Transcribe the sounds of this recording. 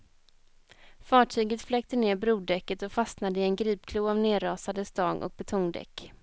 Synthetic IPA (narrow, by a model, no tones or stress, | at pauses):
fɑːʈʰyːɡət̪flɛːk̚t̪əneːɾbɾuːd̪ɛkːət̪ɔfasnad̪əɪɛnɡɾiːp̚kʰluːavneːɾɑːsad̪əst̪ɑːɡʔɔ̰k̚bɛt̪ʰɔŋd̪ɛ̰kː